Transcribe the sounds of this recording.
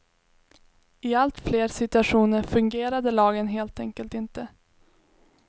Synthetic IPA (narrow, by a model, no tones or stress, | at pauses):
ɪalt̪fleːɾsɪt̪ɵaʂuːnəɾfɵŋɡeːɾad̪əlɑːɡənɦeːlt̪ɛŋkəlt̪ɪnt̪ə